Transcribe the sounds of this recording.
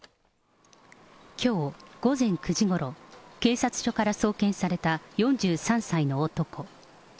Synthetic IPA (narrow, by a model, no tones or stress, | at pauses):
kʲʰo̞ːɡ̥o̞zẽ̞ŋkɯ̟ʑiɡo̞ɾo̞ke̞ːsat͡sɨ̥ɕo̞kaɾaso̞ːkẽ̞ɰ̃saɾe̞t̪ajõ̞ɲ̟d͡ʑɨːsãɰ̃saino̞ːt̪o̞kʰo̞